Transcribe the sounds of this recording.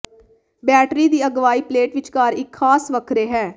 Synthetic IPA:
bɛːʈɾiːd̪iːəɡʋaːiːpleːʈʋɪt͡ʃkaːɾɪkʰxʰaːsʋəkʰɾeːɦɛː

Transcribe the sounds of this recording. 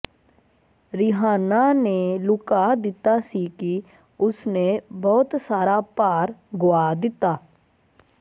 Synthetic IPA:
ɾɪɦaːnanelʊkad̪ɪt̪asiki | ʊsnebɔːʊt̪saːɾapaːɾɡʊad̪ɪt̪aː

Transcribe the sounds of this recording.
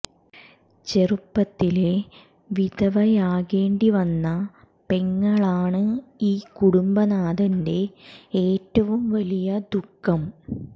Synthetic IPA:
t͡ɕe̞rupːɐt̪ːile̞ | ʋid̪ɐʋɐjaːɣeːɳɖiʋɐnːɐ | pe̞ŋːɐɭaːɳɨiːkuɽumbɐnaːd̪ɐnde̞eːtːɐʋumʋɐlijɐd̪ukːɐm

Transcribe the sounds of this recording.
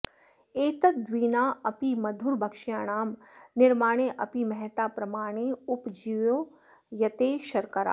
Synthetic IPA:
eːt̪ɐt̪̚d̪ʋiːnaːɐpimɐd̪ʱʊɾbʱɐkʃjaːɽ̃aːmnɪɾmaːɽ̃eʔɐpimɛɦt̪aːpɾɐmaːɽ̃eʊpd͡ʒiʋõː | jɐt̪eʃɐɾkɐɾa̰ː

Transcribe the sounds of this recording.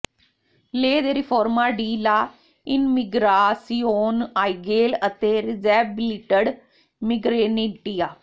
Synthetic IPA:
leːd̪eːɾɪpʰoːɾmaːɖiːlaː | ɪnmɪɡɾaːsioːnaːiɡeːlət̪eːɾɪzɛːbɪliʈəɽ | mɪɡɾeːnɪʈijaː

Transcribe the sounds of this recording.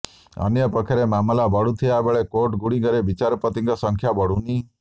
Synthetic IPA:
ɔ̰njʌpɔkʰaɾemamlabɔɽut̪ʰijabeɭekoʈɡuɽ̃iɡʌɾebit͡ʃaɾɔpɔt̪iŋkɔsɔŋkʰjabɔɽuni

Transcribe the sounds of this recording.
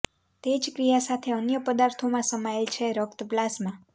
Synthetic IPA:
t̪ed͡ʒkɾijasat̪ʰeənjəpəd̪aɾt̪ʰomãsəmaelt͡ʃʰeɾəkt̪blasmã

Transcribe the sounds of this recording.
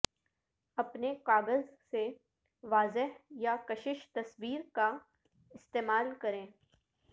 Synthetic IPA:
ɐpnekaːɡəzse | ʋaːzɪɦjakɐʃɪʃt̪ɐsbiːɾka | ɪst̪eːmaːlkɐɾẽː

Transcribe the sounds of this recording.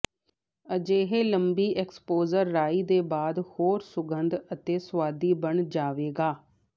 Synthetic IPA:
əd͡ʒeːɦeːləmbiːʔɛːkspoːzəɾːaːiːd̪eːbaːd̪hoːɾsʊɡənd̪ət̪eːswaːd̪iːbəɳd͡ʒaːʋeːɡaː

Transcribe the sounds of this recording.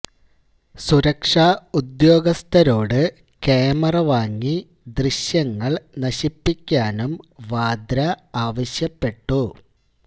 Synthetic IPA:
suɾɐkʂaːud̪jo̞ːɡɐst̪ʰɐɾo̞ːɽɨ | keːmɐrɐʋaːŋːi | d̪riɕjɐŋːɐɭnɐɕipːikʲːaːnumʋaːd̪ɾɐaːʋɐɕjɐpːe̞ʈːu

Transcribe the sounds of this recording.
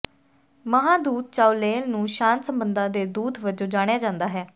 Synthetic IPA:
məɦãːd̪uːd̪̚t͡ʃaːuleːlnũːʃãːnsəmbənd̪ãːd̪eːd̪uːd̪ʋəd͡ʒõːd͡ʒaːɽ̃ejaːd͡ʒãːnd̪aːɦɛː

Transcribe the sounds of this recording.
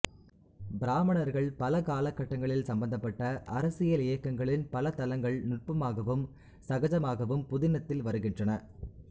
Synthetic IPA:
bɪɾaːmɐɳɐɾɣɐɭpɐlɐkaːlɐkːɐʈːɐŋɡɐɭɪlsɐmbɐnd̪ɐpːɐʈːɐʔɐɾɐsɪjɐlɪjɐkːɐŋɡɐɭɪnpɐlɐt̪ɐlɐŋɡɐɭnʊʈ̚pɐmaːɣɐʋɯm | sɐɣɐd͡ʒɐmaːɣɐʋɯmpʊðɪnɐt̪ːɪlʋɐɾɯɣɪndrɐnɐ

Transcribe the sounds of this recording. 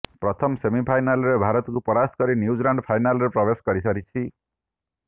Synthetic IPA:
pɾɔt̪ʰɔmsemipʰajnalɔɾebʱaɾɔt̪kupɔɾaskɔɾinjud͡ʒlaɳɖpʰajnalɔɾepɾɔbeskɔɾisʌɾit͡ʃʰi

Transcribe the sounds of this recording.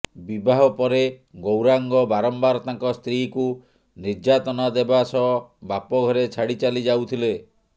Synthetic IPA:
bibaɦɔpɔɾeɡowɾaŋɡɔbaɾɔmbaɾɔt̪ãŋkɔst̪ɾiku | niɾd͡ʒat̪ɔnad̪ebasɔbapɔɡʱɔɾet͡ʃʰaɽit͡ʃalid͡ʒawt̪ʰile

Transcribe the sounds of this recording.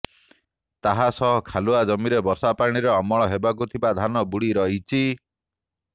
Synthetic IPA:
t̪aɦasɔɦɔkʰaluad͡ʒɔmiɾebɔsapaɽ̃iɾɔːmɔɭ̃ɔɦebak̬ut̪ʰibad̪ʱanɔbuɽiɾɔɦit͡ʃʰi

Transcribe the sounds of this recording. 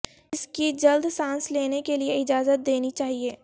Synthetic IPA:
ɪskid͡ʒɐld̪sãːnsleːnekelieɪd͡ʒaːzət̪̚d̪eːnit͡ʃaːɦieː

